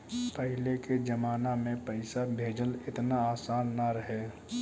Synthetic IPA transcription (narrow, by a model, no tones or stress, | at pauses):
pəɦɪleked͡ʒəmaːnamẽpəɪsabʱeːd͡ʒəlɪt̪naaːsaːnːaɾəɦe